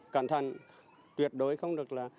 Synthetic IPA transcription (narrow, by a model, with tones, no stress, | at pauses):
ka̰ː˧˩nt̪ʰa˨˩ŋ | t̪wi˨˩ət̚ɗo˨˦jxə˧wŋ͡mɗɨ˨˩ək̚laː˨˩